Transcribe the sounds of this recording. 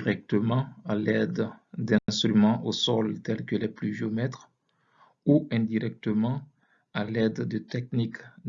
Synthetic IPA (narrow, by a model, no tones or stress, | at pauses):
ʁɛk̚t̪əmɑ̃alɛd̪d̪ɛ̃ɛ̃st̪χymɑ̃ʔosɔlt̪ɛlkəlɛplyʒeomɛt̪χ | uɛ̃d̪iʁɛk̚t̪əmɑ̃ | alɛd̪d̪ət̪ɛk̚nik̪